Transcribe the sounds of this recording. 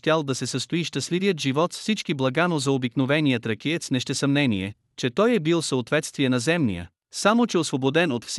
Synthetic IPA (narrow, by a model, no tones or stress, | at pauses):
t̪ʲalˠd̪ɐsɛsəst̪oiʃt̪əslivijət̪ʒivɔt̪sfsit͡ʃkiblˠɐɡanozɐobiknovɛnijət̪ɾɐkʲiɛt̪snɛʃt̪ɛsɐmnɛniɛ | t͡ʃɛt̪ɔjɛbilˠfsəot̪vɛt̪st̪viɛnɐzɛmnḭə̰ | samot͡ʃɛosvobod̪ɛnot̪fs